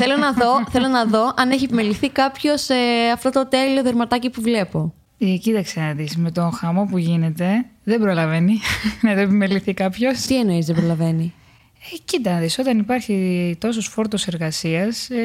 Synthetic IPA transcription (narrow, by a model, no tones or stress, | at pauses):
θelo̞nɐðo̞θe̞lo̞nɐðo̞ɐneçiepimeliθikɐpço̞seɐft̪o̞t̪o̞t̪e̞lio̞ðeɾmɐt̪ɐcipuvle̞po̞ | cit̪ɐksenɐt̪isme̞t̪o̞xɐmo̞puʝine̞t̪e̞ðebɾolɐve̞nineðoepimeliθikɐpço̞st̪ie̞no̞izðebɾo̞lɐve̞ni | ecit̪ɐnðiso̞t̪ɐnipɐɾçit̪o̞sosfo̞ɾt̪ose̞ɾɣɐsiɐs